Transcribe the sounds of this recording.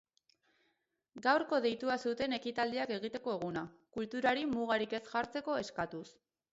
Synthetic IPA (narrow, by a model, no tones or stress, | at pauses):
ɡawɾko̞ðe̞jt̪uasut̪e̞ne̞kit̪ald̪iake̞ɣit̪e̞ko̞eɣ̞unakult̪uɾaɾimuɣ̞aɾike̞sʝaɾt͡se̞ko̞e̞skat̪us